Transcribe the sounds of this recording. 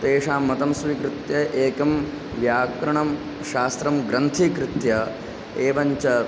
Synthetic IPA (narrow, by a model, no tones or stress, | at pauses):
t̪eːʂaːmːɐt̪ɐmsʋikɾɪt̪jɐʔeːkɐm | ʋjaːkɾɐɳɐm | ʃaːst̪ɾɐmɡɾɐnt̪ʰikɾɪt̪jɐ | eːʋɐɲt͡ʃɐ